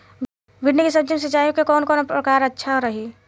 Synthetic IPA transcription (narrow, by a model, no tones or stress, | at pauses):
bʱɪɖnikisəb̚d͡ʒəns̬ət͡ʃaːjõkekɔːnkɔːnpɾəkaːɾətːʃʰaoɾəɦi